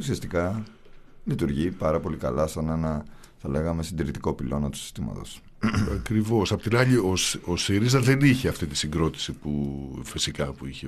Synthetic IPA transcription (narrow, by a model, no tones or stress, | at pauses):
usiɐst̪ikɐ | lit̪uɾʝipɐɾɐpo̞likɐ̰lɐsɐnenɐ | θɐle̞ɣɐme̞sind̪iɾit̪iko̞pilʔo̞nɐt̪u̥si̥st̪imɐ̰t̪o̞s | ɐkɾivo̞sɐpo̞t̪inɐʎioso̞siɾizɐðeniçeɐft̪it̪i̥siŋɡɾo̞t̪i̥sipufisikɐpuiçe